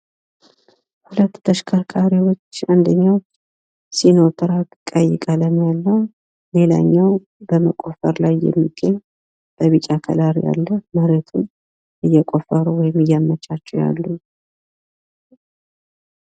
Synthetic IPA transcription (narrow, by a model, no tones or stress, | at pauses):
hulət̪ːt̪ʰəʃkʰaɾkʰaɾiwo̞t͡ʃːand̪əɲːawt͡ʃː | sino̞t̪ʰɨɾakʼəjːɪkʼaləmjalːəw | le̞la̰ɲːaw | bəməkʼo̞fəɾlajːɛ̰mːiɡ̥əɲː | b̥əβit͡ʃʼakʰə̰laɾja̰lːəməɾet̪ʰun | ʔɨjːɛkʼo̞fəɾuwɔjmɨjːamːət͡ʃːat͡ʃːɛwja̰lːu